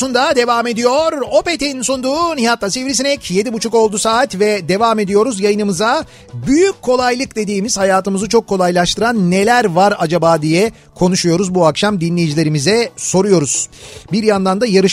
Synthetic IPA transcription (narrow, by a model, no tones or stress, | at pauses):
und̪ad̪e̞vaːme̞d̪ijo̞ɾo̞pet̪ʰejinnsund̪uːnijat̪lˠasivɾisinɛcʰje̞d̪ibut͡ʃʰuko̞lˠd̪usaːt̪vɛd̪e̞vaːme̞d̪ijo̞ɾuzjajɯnɯmɯza | byjykcʰːo̞lˠajlˠɯkd̪e̞d̪iːmiz̥hajaːt̪ɯmɯzɯt͡ʃʰo̞kʰːo̞lˠajlˠaʃt̪ɯɾanːe̞lʲæɾvaɾad͡ʒabaːd̪ijɛ | kʰo̞nuʃujo̞ɾuzbuakʃamd̪inlʲe̞jid͡ʒilʲe̞ɾimizɛso̞ɾujo̞ɾuz̥biɾjand̪and̪ajaɾɯʃ